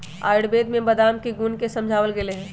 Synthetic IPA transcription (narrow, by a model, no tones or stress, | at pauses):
a̰ːɪɽbed̪mẽbəd̪amkeɡunkesə̃md͡ʒʱaːʋəlɡeleɦɛ̃ː